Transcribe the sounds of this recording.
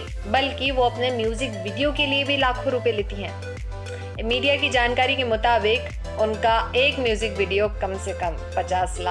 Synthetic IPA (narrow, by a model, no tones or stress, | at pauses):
bɐlkiʋoɐpnemjuːzɪkʋɪɖijokeliebʱilaːkʰoɾuːpeleːt̪iɦɛ̃ː | miːɖijakid͡ʒaːnkaːɾikemʊt̪aːbɪk | ʊnkaeːkmjuːzɪkʋɪːɖijokɐmsekɐ̃m | pɐt͡ʃaːslaː